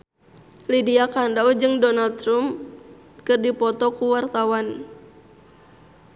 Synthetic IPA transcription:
lidiakandaud͡ʒɨŋdɔnalt̪ɾum | kɨrdipɔt̪ɔkuwart̪awan

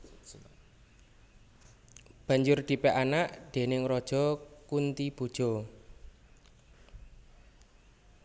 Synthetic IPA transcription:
b̥a̤ɲd͡ʒʊrd̪̥i̤pɛʔanaʔd̪̥e̤nɪŋɾɔd̥ʒ̥ɔ̤kunt̪ib̥ṳd̥ʒ̥ɔ̤

